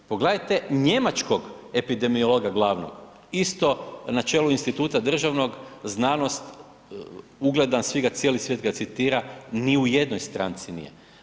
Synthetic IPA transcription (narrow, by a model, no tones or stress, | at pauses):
poɡled̪ajt̪e̞ɲe̞mat͡ʃko̞ɡe̞pid̪e̞miolˠoɡaɡlˠaːʋno̰ɡ̥ | ist̪o̞nat͡ʃeːluinst̪it̪uːt̪ad̪r̩ʒaʋno̞ɡznaːno̞st̪ | uɡle̞d̪ansʋiɡat̪sjeːlisʋjet̪ɡat̪sit̪iːɾaniuje̞d̪nojst̪ɾa̰ːnt̪sinḭjḛ